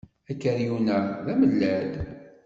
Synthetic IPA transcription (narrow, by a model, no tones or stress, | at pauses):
ækːəɾjunəðæməlːæd̪